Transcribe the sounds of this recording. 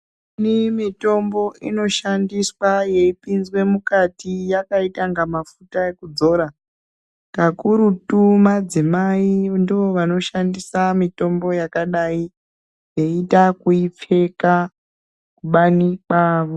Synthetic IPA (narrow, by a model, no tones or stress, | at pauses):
nimito̞mbo̞ʔino̞ʃandiswaje̞ipinzwe̞mukatijakaitaŋɡamafutae̞kud͡zo̞ːɾa | kakuɾutumad͡zimaindio̞ʋano̞ʃandisamito̞mbo̞jakaɗai | je̞itakuip͡fe̞ka | kuɓanikaʋo